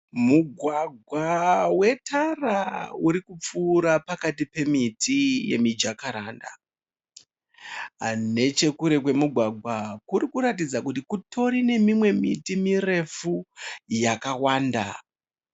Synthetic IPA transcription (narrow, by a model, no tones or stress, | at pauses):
muɡʱwaɡʱwawe̞tʰarauɾikup͡fuːɾapakatipe̞mitʰije̞̰mid͡ʒakaɾanda̰ | ne̞t͡ʃe̞kuɾe̞kwe̞muɡʱwaɡʱwakuɾikuɾatid͡zakutikutʰo̞ɾine̞mimwe̞mitimire̞fujakawaːnda̰